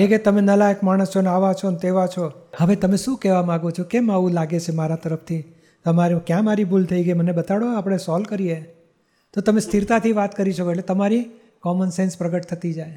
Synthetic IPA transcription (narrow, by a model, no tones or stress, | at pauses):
eket̪əmenəlãekmaɽ̃əst͡ʃʰonaʋat͡ʃʰont̪eʋat͡ʃʰohəʋet̪əmeʃũkɛʋamãɡot͡ʃʰokemaʋũlaɡet͡ʃʰemaɾat̪əɾəft̪ʰi | t̪əmaɾjũkjãmaɾibʱult̪ʰəiɡəimənebət̪aɽoapəɽ̃esɔlkəɾie | t̪ot̪əmẽst̪ʰiɾt̪at̪ʰiʋat̪kəɾiʃəkoeʈlet̪əmaɾi | kɔmənsenspɾəɡəʈ̚t̪ʰət̪id͡ʒaj